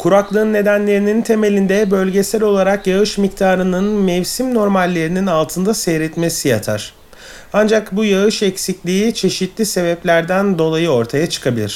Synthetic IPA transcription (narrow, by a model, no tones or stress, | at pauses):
kʰuɾaklˠɯːnːe̞d̪ænlʲe̞ɾinint̪ʰe̞me̞lʲind̪ɛbø̞lʲɟe̞sæɾo̞lˠaɾakjaɯʃmic̚t̪ʰaːɾɯnɯnmɛvsimno̞ɾmalʲːe̞ɾininalˠt̪ʰɯnd̪asɛjɾɛt̪me̞sija̰t̪ʰa̰ɾ̥ | and͡ʒakbujaɯʃɛcsiclʲiit͡ʃʰe̞ʃit̪lʲise̞bɛplʲæɾd̪ænd̪o̞lˠajɯo̞ɾt̪ʰajat͡ʃʰɯ̥kʰabilʲḭɾ̥